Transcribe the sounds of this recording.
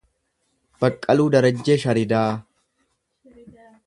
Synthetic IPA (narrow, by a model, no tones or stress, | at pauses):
b̥ɐkʼːɐluːd̪ɐɾɐd͡ʒːe̞ːʃɐɾɪd̪aː